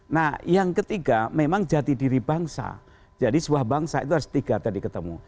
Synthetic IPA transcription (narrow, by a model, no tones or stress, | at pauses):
nahjaŋkət̪iɡamemaŋd͡ʒat̪idiɾibaŋsa̰ | d͡ʒadisəbuahbaŋsaḭt̪uɦaɾʊst̪iɡat̪adikət̪əmṵ